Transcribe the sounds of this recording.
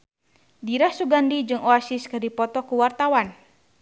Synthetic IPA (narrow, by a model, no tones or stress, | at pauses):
diɾahsuɡandid͡ʒɨŋoasiskədipɔt̪ɔkuwart̪awan